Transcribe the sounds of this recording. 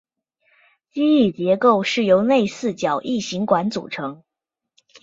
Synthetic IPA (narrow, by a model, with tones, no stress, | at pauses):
t͡ɕi˥i˥˩t͡ɕjɛ˧˥ko˥˧ʊʂɻ̩˥˩jo˧˥ʊne˥˧ɪsɹ̩˥˩t͡ɕjɑ˨˩˦ʊʔi˥˩ɕi˧˥ŋkwa˧˥nt͡sṵ˨˩ʈ͡ʂʰɤ˧˥ŋ